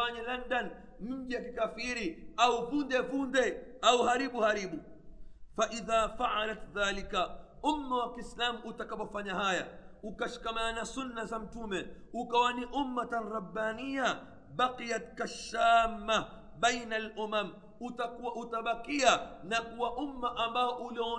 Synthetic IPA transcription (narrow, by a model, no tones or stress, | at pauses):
aɲalandan | m̩ʄijakikafiɾiauvundɛvundɛauɦaɾiɓuhaɾiɓu | faʔiðaːfaʕalat̪ðaːlikaumːawakiːslamuʔutakapɔfaɲaɦajaukaʃi̥kamaanasunːazam̩tumɛukawaniʔumːataɾabːanija | ɓaqijat̪kaʃːaːmːa | bɛjnalʔumam | utakuwaʔutaɓakianakuwaʔumːaʔambaɔʔuliɔ